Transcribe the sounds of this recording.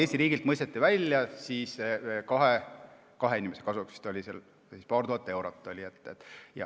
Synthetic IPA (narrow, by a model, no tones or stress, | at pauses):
e̞ːsʲt̪iɾiːɡ̥ilt̪̚mɤjst̪et̪ːivælʲjɑsiːskɑɦe | kɑɦe̞inʲimese̞kɑsuksi̥st̪o̞lʲisel | sispɑːɾrt̪uhɑt̪ːˑe̞wɾot̪ːˑo̞lʲiet̪ːˑet̪ːˑjɑ̰